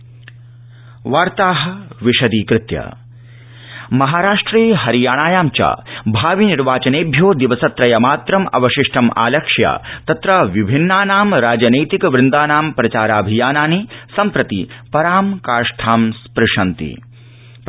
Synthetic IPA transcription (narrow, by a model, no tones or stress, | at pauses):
ʋaːɾt̪aːɦɐʋiʃɐd̪iːkɾɪt̪jɐ̰ | mɐɦaːɾaːʂʈɾiːɦɐɾijaːɳ̃aːjaːmt͡ʃa̰ːbʱaːʋiniɾʋaːt͡ʃɐneːbʱjoːd̪iʋɐsɐt̪ɾɐjɐmaːt̪ɾɐmɐ̰bɐʃɪʂʈʰɐmʔa̰ːlɐkʂja̰ːt̪ɐt̪ɾɐʋibʱinːaːnaːmɾaːd͡ʒɐnɐjt̪ikʋɾɪnd̪aːnaːmpɾɐt͡ʃaːɾaːbʱijaːnaːnisɐmpɾɐt̪ipɐɾaːmkaːɾʂʈʰaːmspɾɪʂɐnt̪ḭ